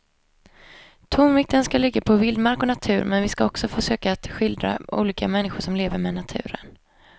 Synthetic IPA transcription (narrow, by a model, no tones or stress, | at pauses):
t̪ʰʊmvɪk̚t̪ənskalɪɡːapʰɔvɪld̪maɾkɔnat̪ʰʉ̟ːɾmɛnvɪskaɔksɔfœʂøːkaːt̪ɧɪld̪ɾa̰ʔṵːliːkamɛnːɪɧʊʂɔmleːvəɾmɛːnat̪ʰʉ̟̰ːɾə̰n